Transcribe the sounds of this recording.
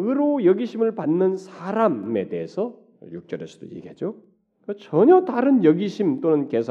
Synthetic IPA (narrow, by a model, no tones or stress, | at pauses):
ɯɾojʌɡiɕʰimɯɭpanːɯnsʰaɾame̞teesʰʌ | juk̚t͡ɕ͈ʌɾes͈ʰu̥d̥o̰jḛɡet̚t͡ɕ͈o | kɯt͡ɕʌɲʌtaɾɯnjʌɡiɕʰimt͈onɯnkesʰ